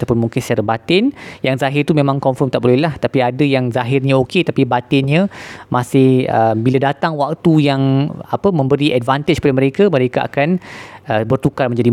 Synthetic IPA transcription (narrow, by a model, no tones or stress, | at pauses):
t̪awpʊnmuŋkɪnsət͡ʃaɾabat̪ɪnjaŋzaɦɪrt̪umẽmãŋkɔɱfɔrmt̪aʔbolɛhlaht̪apiadəjaŋzaɦɪrɲaoket̪apibat̪ɪnɲə̃masɪhə̰mbiladat̪aŋwak̚t̪ujaŋapəmə̃mbəɾiʔɛdvant̪ɪd͡ʒkəpadamə̃ɾekaməɾekaʔa̰kanʔəbərt̪ukarmə̃ɲd͡ʒadi